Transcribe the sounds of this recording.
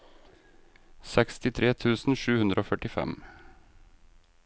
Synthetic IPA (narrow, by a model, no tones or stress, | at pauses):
sɛkst̪ɪt̪ʰɾeːt̪ʰʉːsn̩ʃʉːhʉnd̪ɾʔoːfœʈɪfɛ̰m